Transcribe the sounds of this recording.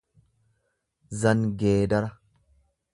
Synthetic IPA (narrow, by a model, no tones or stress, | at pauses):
zɐŋɡeːd̪ɐɾɐ